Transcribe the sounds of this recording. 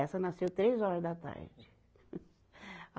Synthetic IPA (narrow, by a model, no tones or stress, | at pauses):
ɛsɐnasewt̪ɾezɔɾɐzd̪ɐt̪a̰ɾd͡ʒɪ